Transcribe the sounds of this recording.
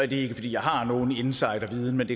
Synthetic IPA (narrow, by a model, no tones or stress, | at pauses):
æd̥e̝e̝ɡ̥əfɒd̥ḭːjɑ̈ɪɦɑ̈no̝ːn̩e̝nsɑ̈ɪ̰d̥æʋiːð̞ˠn̩mend̥e̝